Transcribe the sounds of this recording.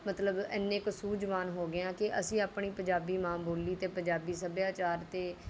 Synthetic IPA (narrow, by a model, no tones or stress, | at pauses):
mət̪ləbɛ̰nːẽːksuːd͡ʒʋaːnɦoːɡɪjãːkɪʔəsĩːaːpɳiːpə̃ɲd͡ʒaːbiːmãːboːliːt̪eːpə̃ɲd͡ʒaːbiːs̬əbjaːt͡ʃaːɾt̪eː